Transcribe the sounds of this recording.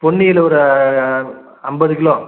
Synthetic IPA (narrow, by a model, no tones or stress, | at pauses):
pɔɳːɪɪlɔɾɯ | ɐmbɐðɯkɪlõː